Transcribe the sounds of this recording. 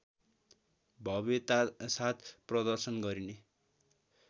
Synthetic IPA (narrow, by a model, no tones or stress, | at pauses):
bʱʌbet̪asat̪ʰprʌd̪ʌrsʌnɡʌɾine